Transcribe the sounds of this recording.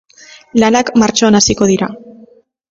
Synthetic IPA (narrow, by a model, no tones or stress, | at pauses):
lanakmaɾt͡ʃo̞anasiko̞ðiɾa